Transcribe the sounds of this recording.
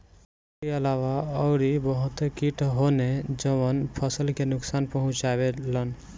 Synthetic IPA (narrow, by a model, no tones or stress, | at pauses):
eəlawaəʊɾibəɦut̪kiʈɦoned͡ʒəbənpʰəsəlkenʊksanpəɦũt͡ʃabelən